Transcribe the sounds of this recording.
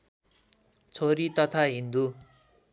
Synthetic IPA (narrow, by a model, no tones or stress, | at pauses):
t͡sʰoɾit̪ʌt̪ʰaɦind̪u